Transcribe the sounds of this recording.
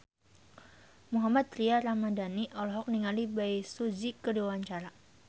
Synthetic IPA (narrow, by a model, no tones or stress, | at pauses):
muɦamat̪̚ɾiaɾamadaniʔɔlɔɦɔk̚niŋalibajsud͡ʒikəduwawaɲt͡ʃaɾa